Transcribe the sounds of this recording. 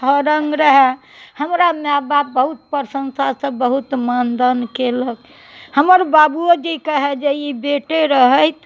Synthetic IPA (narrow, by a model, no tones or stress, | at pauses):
ɦəɾəŋɡɾəɦɛ | həmɾameababːəɦut̪̚pəɾsə̃nsasə̃bəɦut̪mənd̪ənkeləɡ | həməɾbabuod͡ʒikəɦɛd͡ʒeibeʈeɾəɦəjt̪